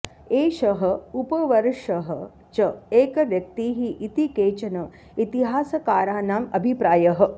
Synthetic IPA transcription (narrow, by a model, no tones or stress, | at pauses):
eːʃɐɦɐ̆upɐʋɐɾʂɐɦɐ | t͡ʃɐeːkɐʋjɐk̚t̪iːɦiʔit̪ikeːt͡ʃɐnɐ | it̪iɦaːsɐkaːɾaːnaːmɐbʱipɾaːjɐɦɐ̆